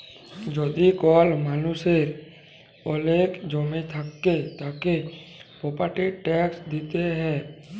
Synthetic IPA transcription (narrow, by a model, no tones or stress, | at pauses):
d͡ʒoːd̪ikɔːlmaːnuseɾ | oleːkd͡ʒoːmet̪ʰəkːet̪aːkepoːpəɾʈiʈɛːksd̪iːt̪eɦɛ̃ː